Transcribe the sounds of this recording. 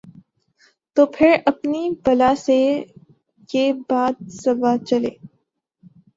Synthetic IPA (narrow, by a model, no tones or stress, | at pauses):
t̪oːpʰɪɾɐpnibɐlaːse | kebaːd̪̚sɐbat͡ʃɐlḛː